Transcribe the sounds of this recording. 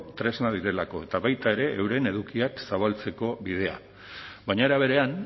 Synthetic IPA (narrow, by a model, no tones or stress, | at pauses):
t̪ɾe̞znað̞iɾe̞lako̞e̞t̪aβajt̪ae̞ɾe̞ʔewɾe̞ne̞ð̞ukiaksaβalt͡se̞ko̞βið̞e̞a̰ | βajɲaeɾaβ̞e̞ɾe̞an